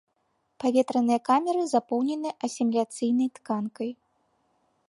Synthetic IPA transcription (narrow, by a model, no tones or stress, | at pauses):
pavʲɛt̪ɾɐnɨjɐkamʲɛɾɨzapɔwnʲɛnɨʔɐsʲimʲlʲat̪sɨjnɐjt̪kankɐj